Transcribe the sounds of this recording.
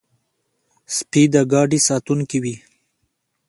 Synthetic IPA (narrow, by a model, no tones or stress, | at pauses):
spid̪əɡɑɖisɑt̪uŋkiwi